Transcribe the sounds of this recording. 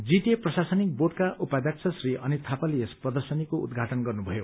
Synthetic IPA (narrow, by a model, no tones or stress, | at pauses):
d͡ziʈ̪eprʌsasʌnik̚boʈkaʔupad̪jak̚t͡sʰʌsriʔʌnit̪ʰapaliesprʌd̪ʌrsʌnikoṵd̪ɡʱaʈʌnɡʌrnubʱʌjo